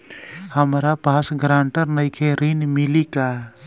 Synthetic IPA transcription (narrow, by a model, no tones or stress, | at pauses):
həmɾapaːsɡɾãːɳʈəɾnəɪkʰeɾinmɪlika